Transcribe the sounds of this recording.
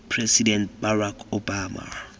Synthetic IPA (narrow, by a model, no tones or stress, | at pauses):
pʰresidɛnt̚barakʰobaːma̰